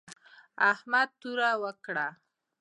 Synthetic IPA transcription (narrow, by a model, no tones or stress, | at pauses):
ahmad̪̚t̪uɾawəkɽa